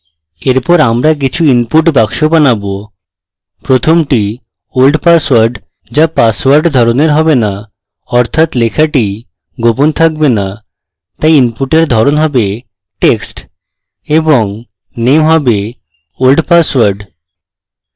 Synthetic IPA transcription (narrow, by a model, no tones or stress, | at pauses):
eɾpɔɾamɾak̬it͡ɕʰuimpuʈbakʃobanabo | pɾot̪ʰomʈi | olɖpaswaɾɖ | d͡ʑapaswaɾɖd̪ʱɔɾoneɾɦɔbena | ɔɾt̪ʰat̪lekʰaʈi | ɡopont̪ʰak̚bena | t̪ajimpuʈeɾd̪ʱɔɾonɦɔbe | ʈeksʈ | eboŋ | nemɦɔbe | olɖpaswaɾɖ